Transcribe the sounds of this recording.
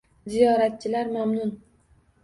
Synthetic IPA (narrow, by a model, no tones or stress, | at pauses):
zijɒɾat̪̚t͡ʃʰɪlaɾmamnʊn